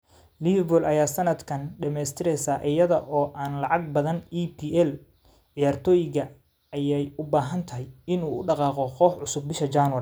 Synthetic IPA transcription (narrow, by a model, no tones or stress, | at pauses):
libɔlʔɐjaːsɐnɐd̪kʰɐnɖɪmɛːst̪ʰɪɾɛjsaːʔɪjɐðɐʔɔːʔaːnlɑʕɑɡ̚bɐðɐnipʰiːʔɛl | ʕɪjaːrt̪ʰɔːjɪɣɐ | ɐjɛjʊbaːɦɐnt̪ʰɐɦɛjɪnuːʊɖɑqɑːqɔqɔːħʕʊsʊb̚ːɪʃɐt͡ʃaːnwɐ